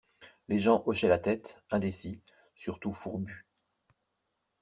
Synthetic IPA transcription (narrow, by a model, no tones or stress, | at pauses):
leʒɑ̃ʔɔʃɛlat̪ɛt̪ɛ̃d̪esi | syʁt̪ufuʁby